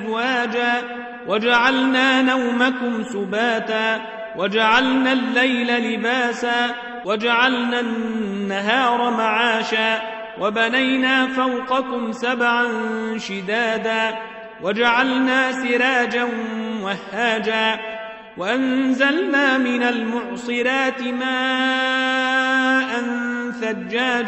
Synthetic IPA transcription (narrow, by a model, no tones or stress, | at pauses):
waːd͡ʒaː | wad͡ʒaʕalnaːnawmakʊmsʊbaːt̪aː | wad͡ʒaʕalnaːlːajlalɪbaːsaː | wad͡ʒaʕalnanːaɦaːɾˤɑmaʕaːʃaː | wabanajnaːfawqɑkʊmsabʕanʃɪd̪aːd̪aː | wad͡ʒaʕalnaːsɪɾaːd͡ʒanwahːaːd͡ʒaː | waʔanzalnaːmɪnalmʊʕsˤɨɾaːt̪ɪmaː | ʔanθad͡ʒːaː